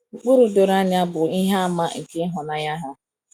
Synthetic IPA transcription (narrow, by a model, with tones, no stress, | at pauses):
ŋ͡m̩˨k͡pu˦ɾu˦do˨ɾa˦nɪ˦a˦bʊ˨i˦ɦa˦a˦ma˦ŋ̩˨kɪ˦ɦʊ˨na˦ja˦ɦa˦